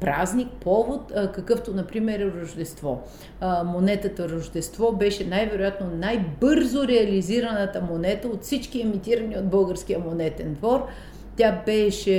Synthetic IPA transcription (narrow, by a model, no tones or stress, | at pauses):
pɾaznik̚pɔvot̪ːkɐkɤft̪onɐpɾimɛɾɾɐʒd̪ɛst̪vɔ | monɛt̪ət̪əɾɐʒd̪ɛst̪vɔbɛʃɛnajvɛɾʊjat̪nonajbɤɾzoɾɛɐliziɾɐnət̪əmonɛt̪əot̪fsit͡ʃkiɛmit̪iɾɐniod̪̚bɤlˠɡəɾsk̟ijəmonɛt̪ɛnd̪vɔɾ | t̪ʲabɛʃɛ